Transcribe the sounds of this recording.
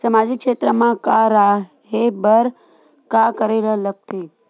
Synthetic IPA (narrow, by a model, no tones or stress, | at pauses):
samad͡ʒikʃet̪ɾəmãkaɾa | ɦebəɾ | kakəɾelələk̚t̪e